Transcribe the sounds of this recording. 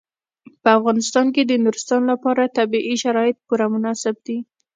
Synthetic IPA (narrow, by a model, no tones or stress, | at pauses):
pəafɣɑnɪst̪ɑnked̪ənʊɾɪst̪ɑnlapɑɾat̪abiʔiʃaɾɑjɪt̪̚puɾamʊnɑsɪb̚d̪i